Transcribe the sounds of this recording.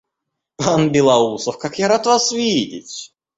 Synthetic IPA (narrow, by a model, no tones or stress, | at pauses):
panbʲɪlˠɐusəfkakjaɾat̪vasvʲidʲɪ̰tʲ